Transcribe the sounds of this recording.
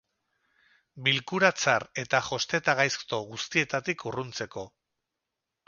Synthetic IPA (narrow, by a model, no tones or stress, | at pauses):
bilkuɾat͡saɾe̞t̪aʝo̞st̪e̞t̪aɣajst̪o̞ɣust̪ie̞t̪at̪ikʰurunt͡se̞ko̞